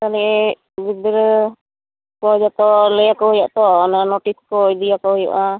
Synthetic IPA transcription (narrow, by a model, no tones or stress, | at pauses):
t̪alɛɛ | ɡid̪əɾ | kɔd͡ʒat̪ɔlɛjakɔɦujaʔt̪ɔnanoʈiskɔid̪ijakɔɦuja̰ʔa